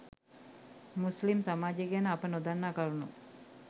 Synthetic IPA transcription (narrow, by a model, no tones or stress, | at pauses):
muslimsamaːd͡ʒeɡanəapənod̪anːaːkaɾunu